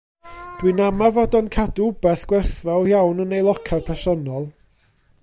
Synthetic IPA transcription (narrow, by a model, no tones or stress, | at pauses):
d̥winamavɔdɔnkʰadubɛθɡ̥wɛrθvawjawnənejlˠɔkʰarpʰɛrsɔnɔlˠ